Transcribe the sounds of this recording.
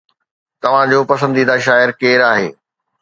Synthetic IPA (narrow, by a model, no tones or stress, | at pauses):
t̪ɐʋ̤ãd͡ʑoːpɐsə̃nd̪iːd̪aʃ̬aːɪɾkeːɾaːɦḛː